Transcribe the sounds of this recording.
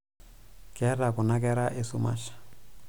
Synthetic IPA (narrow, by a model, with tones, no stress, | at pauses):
kʼɛ˦ra˨kʊ˨na˦kʼɛ˦ɾa˦ʔe˦su˦ma̰ː˦ɬḁ˨